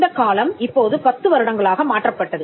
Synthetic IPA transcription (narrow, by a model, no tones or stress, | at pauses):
d̪ɐkaːlɐmɪpːoːðɯpɐt̪ːɯʋɐɾɯɽɐŋɡɐɭaːɣɐmaːʈrɐpːɐʈːɐðɯ